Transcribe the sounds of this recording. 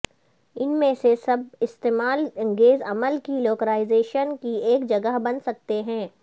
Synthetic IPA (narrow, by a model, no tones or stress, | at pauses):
ɪnmẽsesɐb̚ɪst̪eːmaːlɐ̃ŋɡeːzɐməlkiloːkəɾaːɪzeːʃənkieːkd͡ʒɐɡəɦbɐnsɐk̚t̪eɦɛ̃ː